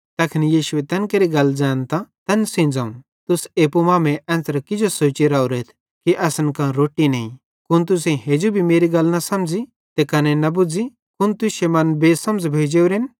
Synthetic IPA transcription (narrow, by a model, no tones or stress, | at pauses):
t̪ɐkʰɪnijiːʃʊɛt̪ɐnkɐɾiɡɐld͡zaːnt̪ãt̪ɐnsĩnd͡zaun | t̪ʊseːpumãːmɛ̃ʔɐ̃ːnt̪əɾkɪd͡ʒosoːt͡ʃiɾaːoɾeːt̪ʰ | kiʔɐsɐnkãɾoːʈinɛĩ | kʊnt̪ʊs̬ẽɦeːd͡ʒubʱimeːɾiɡɐlnɐsɐmd͡zi | t̪ekɐnenɐbʊd͡zi | kʊnt̪ʊʃemɐnbeːsɐmd͡zbʱeːd͡ʒeːuɾɪn